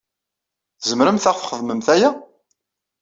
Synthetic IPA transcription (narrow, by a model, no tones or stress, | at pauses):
θzəmɾəmθæʁfχəðməmθæjæ